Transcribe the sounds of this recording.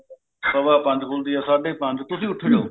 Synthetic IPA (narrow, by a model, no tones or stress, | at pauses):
sɐʋaːpãːnd͡ʑkʰoːld̪iːaːsaːɖʱepãːɲd͡ʑt̪ʊsĩːʊʈʰɪɽjoː